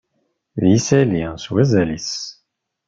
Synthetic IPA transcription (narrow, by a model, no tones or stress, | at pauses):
ðjisæliswæzælis